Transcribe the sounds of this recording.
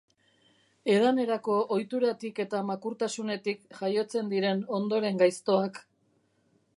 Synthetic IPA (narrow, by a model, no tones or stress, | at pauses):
e̞ðane̞ɾako̞ʔojt̪uɾat̪ike̞t̪amakuɾt̪asune̞t̪ikʝajo̞t͡se̞nd̪iɾe̞no̞nd̪o̞ɾe̞ŋɡajst̪o̞ak